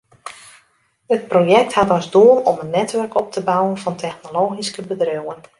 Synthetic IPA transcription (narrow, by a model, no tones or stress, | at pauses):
ət̚projɛk̚thatɔzdoəlɔmənːɛtʋɵrkɔp̚tʰəbawənfɑntʰɛxnoloːɣiskəbədrøwən